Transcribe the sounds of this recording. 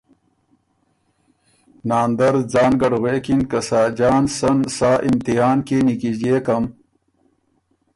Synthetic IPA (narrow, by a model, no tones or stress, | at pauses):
naːnd̪ɐɾd͡zaːnɡɐɖɣwekinkɐsaːd͡ʑaːnsɐnsaːʔimt̪iɦaːnkenikid͡ʑeːkɐm